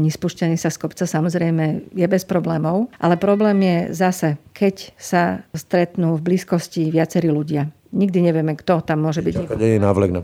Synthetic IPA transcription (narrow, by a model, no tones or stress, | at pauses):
ɲɛspuʃcaniːsaskɔpt͡sasamɔzɾɛjmɛjɛbɛspɾɔblɛːmɔʊʔalɛpɾɔblɛːmjɛzasɛkʰɛcsast̪ɾɛt̪nuːvbliːskɔsciʋɪat͡sɛɾiːluɟɪa | ɲiɡ̚d̪iɲɛʋɪɛmɛkt̪ɔt̪amːʊɔʒɛbiɟɛkɛɲɛnaːʋlɛɡna